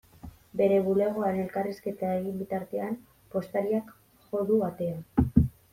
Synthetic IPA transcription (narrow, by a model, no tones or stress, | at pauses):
be̞ɾe̞βule̞ɣ̞oaɾene̞lkariske̞t̪aeɣimbit̪aɾt̪e̞am | po̞st̪aɾiak | ʝo̞ðuat̪e̞a